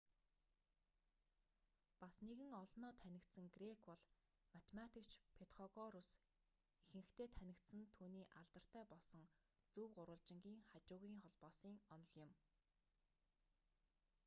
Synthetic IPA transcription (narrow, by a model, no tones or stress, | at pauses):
pasneɣɘ̆ŋɔɮnɔːt̪ʰænʲɪ̆kt̪sɘ̆ŋɡrekpɔɮ̥ | mat̪ʰemat̪ʰikt͡ɕpʰet̪χɔɣɔɾʊs | ixɘ̆ŋɘ̆xt̪ʰeːt̪ʰænʲɪ̆kt̪sɘ̆nt̪ʰuːniːʔaɮt̪ə̆r̥t̪ʰæːpɔɮsɞ̆ŋ | t͡suːwɢʊɾwə̆ɮt͡ɕɪ̆ŋɡʲiːŋχat͡ɕʊːɣiːŋχɔɮpɔːsiːŋɔnɞ̆ɮɪ̆m